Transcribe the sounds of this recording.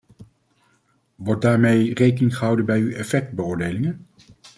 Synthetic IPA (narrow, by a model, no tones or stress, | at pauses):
ʋɔɹt̚daːɹmejrejkənɪŋχəɦʌwdənbɛjyɛfɛk̚bəʊːɹdejlɪŋən